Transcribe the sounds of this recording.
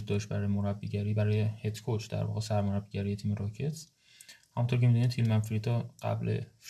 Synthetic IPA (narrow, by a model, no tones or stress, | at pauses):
d̪d̪ɒːʃt̪bæɾɒːjemoɾæbːiɟæɾiːbæɾɒːjehet̪kʰot͡ʃd̪æ̰ɾvɒ̰ɣesæɾmoɾæbːiɟæɾijet̪ʰiːmeɾɒːcʰe̞t̪s | hæmunt̪ʰoɾcʰe̞mid̪uniːd̪fʰilmænfɾit̪ʰɒɢ̥æ̰blʔe̞̰f